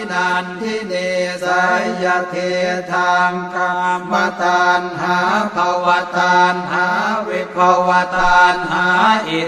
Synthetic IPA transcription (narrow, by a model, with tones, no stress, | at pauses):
naː˧nt̪ʰi˥˩ne˧sa˨˦jja˧t̪ʰe˧t̪ʰaː˧mka˧ma˧˩t̪aː˧nɦaː˨˦˥pʰa˧wa˧t̪aː˧nɦaː˨˦wi˧pʰa˧wwa˧t̪aː˧nɦaː˨˦ʔe˨˩